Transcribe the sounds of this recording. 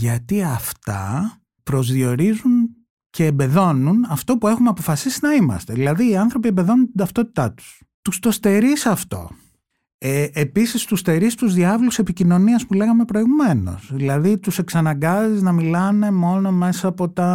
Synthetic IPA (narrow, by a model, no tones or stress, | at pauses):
ʝɐt̪iɐft̪ɐ̰ | pɾo̞zðio̞ɾizun | ce̞ːmbe̞ðo̞nunɐft̪o̞pue̞xumeɐpo̞fɐsisinɐimɐ̰st̪e̞ðilɐðiːɐnθɾo̞piembe̞ðo̞nuntt̪id̪ɐft̪o̞t̪i̥t̪ɐt̪u̥s | t̪ust̪o̞st̪e̞ɾisɐft̪o̞̰ | eepisist̪ust̪e̞ɾist̪uzðiɐvluse̞picino̞niɐspule̞ɣɐme̞pɾo̞iɣume̞no̞̰sðilɐðit̪use̞ksɐnɐŋɡɐziznɐmilɐne̞mo̞no̞me̞sɐːpo̞t̪ɐ